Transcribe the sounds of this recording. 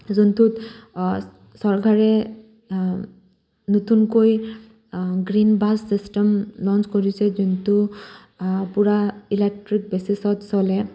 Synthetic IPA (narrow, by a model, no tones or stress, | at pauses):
zuntut | sɔɹkaɹɛ | notunkoj | ɡɹinbasːistɛmlɔnskoɹisɛzuntu | puɹailek̚tɹik̚besisɔtsɔlɛ